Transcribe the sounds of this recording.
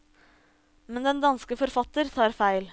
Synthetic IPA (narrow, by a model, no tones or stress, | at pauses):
mɛnd̪ɛnd̪ɑnskəfɔɾfɑt̪əɾt̪ʰɑːɾfæɪl